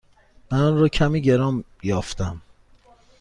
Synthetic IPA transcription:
mænɒnɾɒːcʰæmiːɟe̞ɾɒːm | jɒːft̪æm

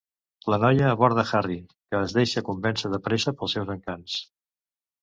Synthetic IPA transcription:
lənɔjəːβɔɾðəxarikəːzðeʃəkumbɛnsəðəpɾesəpəlˠsɛwzəŋkans

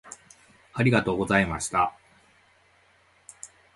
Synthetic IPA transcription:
aɾʲiɡat̪o̞ːɡo̞zaimaɕi̥t̪a

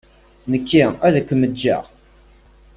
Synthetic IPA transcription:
nəkʰːiæðækʷːəməd͡ʒːa̰ʁ

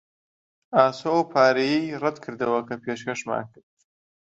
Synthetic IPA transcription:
aːsowpʰaːɾijirɛd̪kʰɨɾd̪ɐwɐkʰɐpʰeːʃkɐʃma̰ːnkɨɾd̪̚

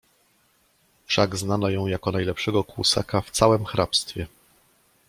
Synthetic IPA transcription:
fʂaɡznanɔjɔ̃w̃jakɔnajlɛpʂɛɡɔkwṵsa̰kaft̪sawɛmxɾapst̪fʲjɛ

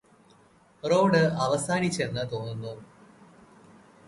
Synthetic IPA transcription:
ro̞ːɖɨɐʋɐsaːnit͡ɕːe̞nːɨt̪o̞ːnːunːoː

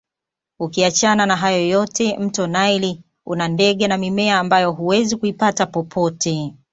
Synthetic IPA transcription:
ukiat͡ʃananaɦajɔjɔtʰɛm̩tɔnaili | ṵnandɛɠɛnamimɛaːmbajɔɦuwɛzikuipatapɔpʰɔtʰɛ

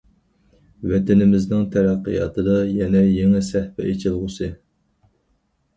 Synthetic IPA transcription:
wɛt̪ɪnɪmɪznɪŋt̪ʰæɾæqːḭjɑ̰t̪ʰɨd̪ɑjɛnɛjeŋɪsæhpɛ̰ʔet͡ʃʰɪlˠʁʊsɨ

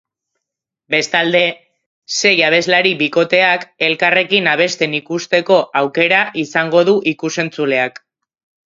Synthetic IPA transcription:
be̞st̪ald̪e̞ | se̞jaβ̞e̞zlaɾiβiko̞t̪e̞ake̞lkare̞kinaβ̞e̞st̪e̞nikust̪e̞ko̞ʔawke̞ɾaʔisaŋɡo̞ð̞uʔikuse̞nt͡sule̞ak

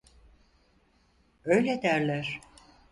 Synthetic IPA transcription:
øjlʲed̪æɾlʲæɾ̥

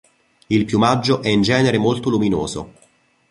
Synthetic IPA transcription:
ilpjumad͡ʒːoʔɛind͡ʒɛːneɾemolt̪oluminoːzo̰

